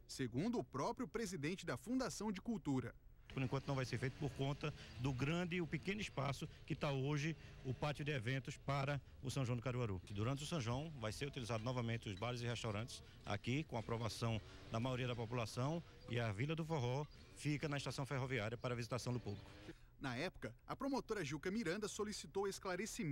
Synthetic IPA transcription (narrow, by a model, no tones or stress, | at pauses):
seɡũnd̪ʊːpɾɔpɾjʊpɾezid̪ẽnt͡ʃɪd̪ɐfũd̪asɐ̃w̃d͡ʒɪkuwt̪uɾɐ | poɾẽkwɐ̃t̪ʊnɐ̃vajseɾfejt̪ʊ̥poɾkõnt̪ɐd̪ʊɡɾɐ̃d̪ɪʊpɪkẽnʊispasʊkɪt̪aoʒɪʊpat͡ʃ̪iʊd̪ɪɛvẽnt̪ʊspaɾɐ | ʊsɐ̃ʒɐ̃w̃d̪ɪkaɾuaɾud̪uɾɐ̃nt̪ɪʊsɐ̃ʒwɐ̃w̃vajseɾut̪ilizad̪ʊnɔvɐmẽt̪ɪʊzbaɾɪzɪhɛʃt̪awɾɐ̃t̪ɪ̥s | a̰kikõapɾɔvasɐ̃w̃ | d̪ɐmajoɾiɐd̪ɐpopulasɐ̃w̃ | ɪ̰ɐvilɐd̪ʊfoɦɔ | fikɐnɐiʃt̪asɐ̃w̃feɦoviaɾjɐpaɾɐvizit̪asɐ̃w̃d̪ʊpublikʊ̥ | nɐɛpʊ̥kɐɐpɾomot̪oɾɐʒuwkɐmiɾɐ̃nd̪ɐsolisit̪owesklaɾesim